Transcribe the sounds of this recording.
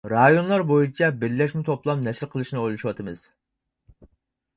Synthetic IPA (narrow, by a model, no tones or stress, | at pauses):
ɾɑjonlˠɑɾbojut͡ʃʰɛbɪɾlɛʃmɪt̪ʰoplˠɑpnɛʃɪɾqʰəlˠɨʃnɨojlˠuʃuwɑt̪ʰɨmɨz̥